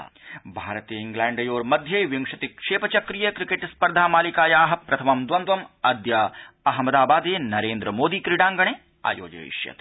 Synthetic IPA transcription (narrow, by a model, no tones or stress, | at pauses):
bʱaːɾt̪ijəɪ̃ŋɡlɛːɳɖɐjoːɾmɐd̪ʱjɐʋjɐŋkʃɐt̪ikʂeːpɐt͡ʃɐkɾijɐkɾɪkeʈspɐɾd̪ʱaːmaːlikaːjaːɦɐpɾɐt̪ʰɐmɐmd̪ʋɐnd̪ʋɐmɐd̪ja | ɐɦmɐd̪aːbaːd̪eːnɐɾeːnd̪ɾəmoːd̪iːkɾiɽãːŋɡɐɽ̃eː | a̰ːjo̰ːd͡ʒɐ̰ḭʃjɐ̰t̪